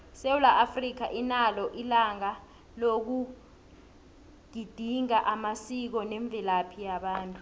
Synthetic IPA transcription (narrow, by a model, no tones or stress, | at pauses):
sewulaʔafrik̬aʔinalɔʔilaŋa | lok̬u | ɡ̥ʱid̥ʱiŋaʔamasik̬ɔneɱb̪vʱilapʰijaɓaːntʼu